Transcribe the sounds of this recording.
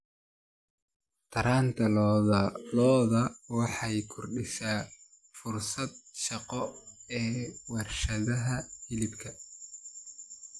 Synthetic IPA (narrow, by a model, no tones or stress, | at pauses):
t̪ʰɐɾaːnt̪ʰɐlː | lɔːðɐwɑħɑjkʰʊrɖɪsaː | fʊrsɐd̪̚ʃɑqɔɛːwɑrʃɐðɐɦɐhɪlɪbkʰɐ